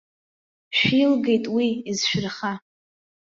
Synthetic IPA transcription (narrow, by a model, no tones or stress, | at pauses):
ʃᶣilɡe̞jtʼwiːzʃᶣrχa